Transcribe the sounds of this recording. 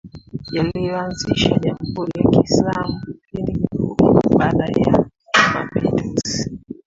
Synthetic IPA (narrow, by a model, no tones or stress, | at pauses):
jalijɔanziʃaʄam̩huɾijakiːslamuilimuɾiɓalaja̰ | ma̰pilizi